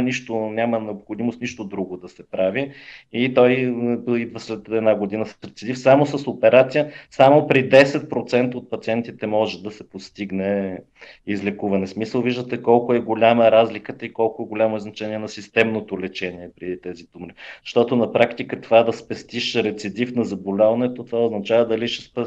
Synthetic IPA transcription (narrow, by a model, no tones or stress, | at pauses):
niʃt̪onʲamənɛopxod̪imost̪niʃt̪od̪ɾuɡod̪ɐsɛpɾaviit̪ɔjid̪vəslɛt̪ɛd̪naɡod̪inəsə̥sɾɛt̪sid̪ifsamosəsopɛɾat̪sijəsamopɾid̪ɛsɛt̪̚pɾot̪sɛnt̪əot̪̚pɐt̪siɛnt̪it̪ɛmɔʒɛd̪ɐsɛpost̪iɡnɛ | izlɛkuvɐnɛsmisəlˠviʒd̪ət̪ɛkɔlˠkʊɛɡolʲaməɾazlikət̪əikɔlˠkʊɛɡolʲamoiznɐt͡ʃɛniɛnɐsist̪ɛmnot̪olɛt͡ʃɛniɛpɾit̪ɛzid̪umɾizɐ̥ʃt̪ɔt̪onɐpɾakt̪ikət̪ovad̪ɐspɛst̪iʃɾɛt̪sid̪ifnɐzɐbolʲavɐnɛt̪ot̪ovaoznɐt͡ʃavəd̪ɐliʃɛspɛ